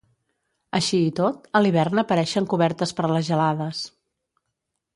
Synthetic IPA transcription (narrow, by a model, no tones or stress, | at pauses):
əʃiːt̪ot̪əliβ̞ɛrnəpəɾɛʃəŋkuβɛɾt̪əspəɾləzʒəlaðəs